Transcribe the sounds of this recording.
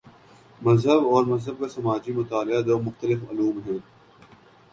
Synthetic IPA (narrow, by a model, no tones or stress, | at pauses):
mɐzɦəbɔːɾmɐzɦəb̚kasɐmaːd͡ʒimʊt̪aːlɪad̪oːmʊxt̪əlɪfʊ̰luːmɦoː